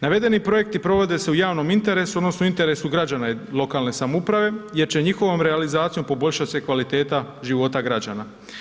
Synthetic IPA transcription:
naʋe̞d̪e̞nipɾo̞je̞k̚t̪ipɾo̞ʋo̞d̪e̞se̞ujaːʋno̞mint̪e̞ɾe̞sud̪no̞snoint̪e̞ɾe̞suɡɾad͡ʑanailˠo̞kaːlˠne̞samoupɾaʋe̞je̞ɾt͡ɕe̞ɲixo̞ʋo̞mɾealizaːt̪sijo̞mpo̞bo̞ʎʲʃat̪ʲse̞kʋalit̪e̞ːt̪aʒiʋo̞t̪aɡɾad͡ʑana

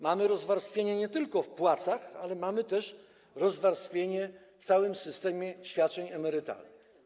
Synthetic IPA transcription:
mamɘɾɔzvaɾst̪fʲjeɲɛɲɛt̪ɘlkɔfpwat̪saxalɛmamɘt̪ɛʂ | ɾɔzvaɾst̪fʲjeɲɛ | ft̪sawɘmsɘst̪ɛmʲjɛɕfʲjat̚t͡ʂɛɲɛmɛɾɘt̪a̰lnɨx

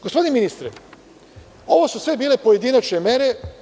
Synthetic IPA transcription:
ɡ̥ospod̪ineminist̪ɾe | o̞ʋo̞susʋe̞biːle̞po̞je̞d̪inat͡ʃnemje̞ɾe

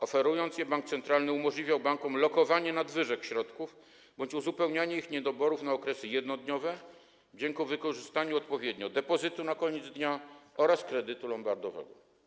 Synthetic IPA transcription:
ɔfɛɾujɔnt̪sjɛbaŋk̚t̪sɛnt̪ɾalnɘumɔʐlʲivʲjawbaŋkɔmlɔkɔvaɲɛnad̪vɘʐɛkɕɾɔt̪kuv | bɔɲt͡ɕuzupɛwɲaɲɛixɲɛd̪ɔbɔɾufnaɔkɾɛsɘjɛd̪nɔd̪ɲɔvɛ | d͡ʑɛŋkuvɘkɔʐɘst̪aɲuɔt̪pɔvʲjɛd̪ɲɔd̪ɛpɔzɘt̪unakɔɲɛd̪zd̪ɲaɔɾaskɾɛd̪ɘt̪ulɔmbaɾd̪ɔvɛ̰ɡɔ

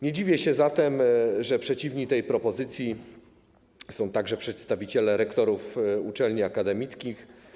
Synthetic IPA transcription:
ɲed͡ʑivʲjɛɕɛzat̪ɛmʐɛpʂɛt͡ɕivɲit̪ɛjpɾɔpɔzɘt̪sʲji | sɔ̃w̃t̪aɡʐɛpʂɛt̪st̪avʲit͡ɕɛlɛɾɛkt̪ɔɾufut͡ʂɛlɲiakad̪ɛmʲit̪skʲix

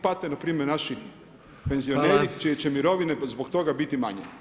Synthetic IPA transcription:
pat̪enapɾiːmeɾnaʃi | pe̞nzio̞neːɾit͡ʃijet͡ɕemiɾo̞ʋinezbokt̪o̞ɡabit̪ima̰ɲḛ

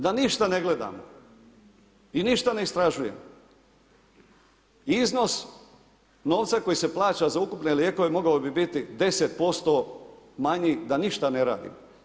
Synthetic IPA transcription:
d̪aniʃt̪ane̞ɡle̞d̪a̰ːmo | iniʃt̪ane̞ist̪ɾaʒuje̞̰m | izno̞s | no̞ːʋt̪sako̞jise̞plˠaːt͡ɕazaukupne̞lje̞ko̞ʋe̞mo̞ɡaobibit̪id̪e̞set̪̚po̞st̪o̞maɲid̪aniʃt̪ane̞ɾa̰ːd̪ḭmo

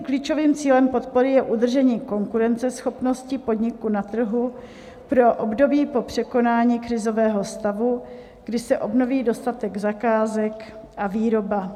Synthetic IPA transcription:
kliːt͡ʃo̞viːmt͡siːlɛmpo̞t̪̚po̞ɾɪjɛʔudr̩ʒɛɲiːko̞ŋkuɾɛnt͡sɛsxo̞pno̞scɪpo̞dɲɪkunat̪r̩ɦu | pɾo̞ʔobdo̞biːpo̞pr̝̥ɛko̞naːɲiːkɾɪzo̞vɛːɦo̞st̪avu | ɡ̥dɪsɛʔo̞bno̞viːdo̞st̪at̪ɛɡzakaːzɛk | ʔaviːɾo̞ba

